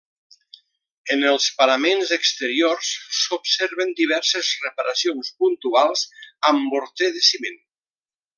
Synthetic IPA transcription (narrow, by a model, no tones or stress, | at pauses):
ənəlˠspaɾamenzəkst̪əɾiorssopseɾβənd̪iβ̞ɛɾsəzrəpaɾʔasionspunt̪ualˠzəmbuɾt̪eðəsimen